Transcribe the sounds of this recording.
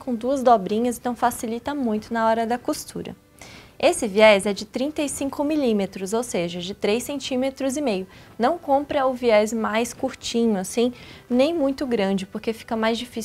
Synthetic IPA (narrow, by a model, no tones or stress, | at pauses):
kõw̃d̪uɐzd̪ɔbɾĩɲɐzẽnt̪ɐ̃w̃fasilit̪ɐmũj̃t̪ʊnɐɔɾɐd̪ɐkust̪ʰṵɾɐ̰ | esɪviɛzɛd͡ʒɪt̪ɾĩnt̪ɐisĩŋkʊmilimet̪ɾʊzowseʒɐd͡ʒɪt̪ɾejsẽnt͡ʃĩmet̪ɾʊzɪmejʊnɐ̃w̃kõmpɾɐʊviɛzmajskuɾt͡ʃĩɲʊasĩnẽj̃mũj̃t̪ʊɡɾɐ̃d͡ʒɪpoɾkefi̥kɐmajzd͡ʒifis